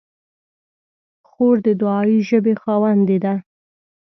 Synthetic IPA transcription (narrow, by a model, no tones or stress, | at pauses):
xoɾd̪əd̪ʊɑjiʒəbexɑwand̪ed̪a